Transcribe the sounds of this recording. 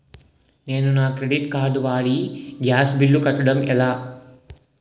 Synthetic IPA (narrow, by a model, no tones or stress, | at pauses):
ne̞ːnunaːkɾeɽiʈkaːɾɖuʋaːɽiɡjaːsbilːukɐʈːuɽɐmɛlaː